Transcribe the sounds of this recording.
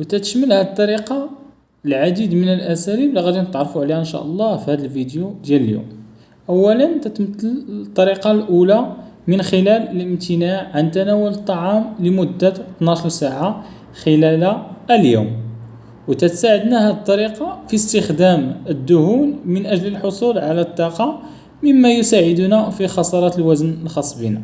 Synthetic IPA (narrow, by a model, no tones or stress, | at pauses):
wt̪æt̪ə̥ʃməlhæd̪̚t̪ˤːɑɾiqɑ | lʕad̪id̪mənəlʔæsælibliɣæd̪inət̪ʕɾˤfuʕliæʔənʃæ̰ʔɑlˤːɑfihæd̪əlvid̪jud̪jæləljṵm | ʔəwːælənt̪æt̪mət̪ːəlt̪ˤːɑɾiqɑlʔula | mənxəlælələmt̪ʰənaʕʕant̪ænæwʊlət̪ˤːɑʕɑmləmʊd̪ːæt̪nɑʃɾsaʕa | xəlælaljṵm | wt̪æt̪saʕəd̪næhæd̪t̪ˤːɑɾiqɑfist̪əxd̪æməd̪ːʊhunmənʔæʒləlħosˤulʕalæt̪ˤːɑqɑ | məmːæjʊsaʕəd̪unæfixɑsˤɑɾˤɑt̪əlwæzənəlxɑsˤːbina